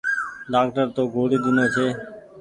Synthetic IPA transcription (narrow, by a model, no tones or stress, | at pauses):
ɖaːkʈəɾt̪oːɡʱoːɽiːd̪ɪnoːt͡ʃʰeː